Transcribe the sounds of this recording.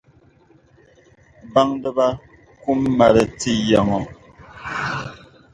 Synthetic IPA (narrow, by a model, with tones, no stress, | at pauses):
ba˦ŋdə˦ba˦ | ku˦mː˦a˨ɾə˨ti˦ja˨ŋɔ˨